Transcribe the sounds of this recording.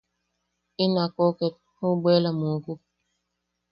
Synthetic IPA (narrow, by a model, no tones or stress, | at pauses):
inakɔket̚ | huɡ͡belamuku